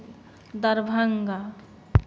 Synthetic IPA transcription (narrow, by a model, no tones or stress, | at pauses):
d̪əɾbʱəŋɡa